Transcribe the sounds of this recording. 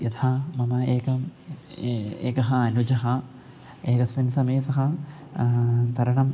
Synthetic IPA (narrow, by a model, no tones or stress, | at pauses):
jɐt̪ʰaːmɐmɐeːkɐm | ḛːkɐɦɐɐnud͡ʒɐɦɐ | eːkɐsʋinsɐmɐjsɐɦɐ | t̪ɐɾɐɳɐm